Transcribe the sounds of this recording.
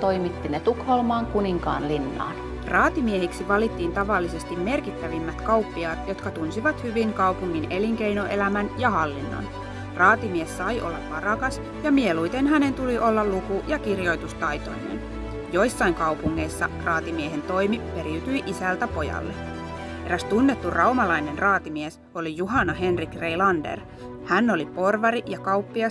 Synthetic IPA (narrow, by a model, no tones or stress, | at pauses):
t̪oimit̪ːinet̪ukholmɑːŋkuniŋkɑ̰ːnlinːɑ̰ːn | rɑːt̪imieɦiksiʋɑlit̪ːiːnt̪ɑʋɑlːise̞st̪imme̞rkit̪ːæʋimːæt̪kɑwpːiɑːt̪jo̞t̪kɑt̪unsiʋɑt̪hyʋiŋkɑupuŋːine̞liŋk̟e̞jnoʔe̞læmænjɑɦɑlːinːo̰n | rɑːt̪imiesːɑjʔolːɑʋʋɑrɑkɑs | jɑmie̞lujt̪enɦæne̞nt̪uliʔo̞lːɑllukujɑkirjo̞jt̪ust̪ɑjt̪o̞̰inḛn | jo̞jsːɑiŋkɑwpuŋːe̞isːɑ̰rɑːt̪imieɦe̞nt̪o̞jmipe̞ɾiyt̪yiʔisælt̪æpo̞jɑ̰lːee̞ɾæst̪unːet̪ːurʔɑwmɑlɑjne̞nrɑːt̪imies | o̞lijuɦɑnɑɦe̞nrikre̞jlɑndḛr | hænːo̞lipo̞rʋɑɾijɑkɑupːiɑ